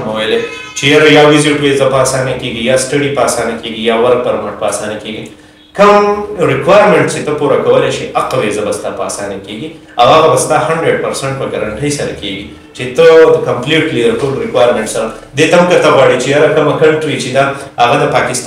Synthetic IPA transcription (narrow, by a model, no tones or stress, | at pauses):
mawəjle | t͡ʃejaɾajawɪzɪʈwezapəasɑnakeɡijasʈaɽipːsanakeɡijawaɾɡ̚pɐɾmaʈ̚pasanakeɡi | kəmɾɪkwajɾmẽɳʈt͡ʃet̪əpuɾakɐwəleʃiaqawezabast̪apasɑnakeɡi | awaɣabast̪ahaɳɖɾeɖ̚pɐɾseɳʈ̚pəɡaɾaɳʈəjsɐɾa̰keɡi | t͡ʃet̪əd̪əkɐmpliʈklijɐɾkolɾɪkwajɾmẽɳʈsɐɾa | d̪et̪amkat̪aɣwaɽit͡ʃejaɾakəmakɐlʈɾit͡ʃed̪aːɣad̪əpakɪst̪